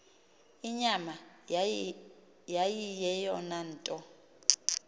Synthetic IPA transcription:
iɲama | jajijɛjɔnan̩ːtʼɔ

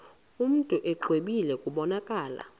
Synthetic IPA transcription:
um̩tʼuʔɛǃweɓilɛkʼuɓɔnakʼaːla̰

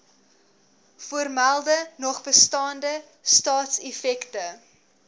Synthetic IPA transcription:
fuərmælˠdənɔχbəstɑːndə | stɑːtsɛfɛktə

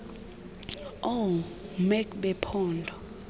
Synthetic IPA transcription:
omɛkbɛpʰɔːndʱɔ

